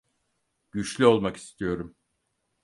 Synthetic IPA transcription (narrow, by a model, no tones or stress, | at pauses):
ɟ̥yt͡ʃlʲyo̞lˠmaki̥st̪ʰijo̞ɾum